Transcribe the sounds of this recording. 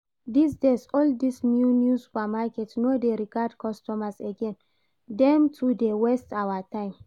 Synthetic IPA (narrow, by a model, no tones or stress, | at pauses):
d̪isdesɔldismjunjusu̥pamakɛtnodeɾiɡad̚kʰɔstɔmaseɡɛ̃n | dɛ̃mtʰudewɛstawatãɪ̃m